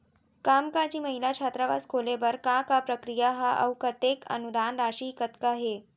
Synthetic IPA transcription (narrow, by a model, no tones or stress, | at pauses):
kamkat͡ɕiːməɦilat͡ɕʰat̪ɾaʋa̰skʰoleʋəɾkakapɾəkɾijaɦaʔə̰wkət̪ekə̰nud̪anɾaɕiːkət̪kaɦe